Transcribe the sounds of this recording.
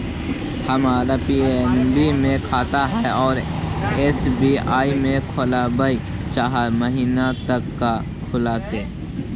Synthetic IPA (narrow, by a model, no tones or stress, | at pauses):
həmaːɾapiːenbimẽkʰaːt̪aɦɛɔːɾeːsbiːaːimẽkʰolabəit͡ʃaːɦaɾməɦiːnat̪əkːa | kʰʊlaːt̪eː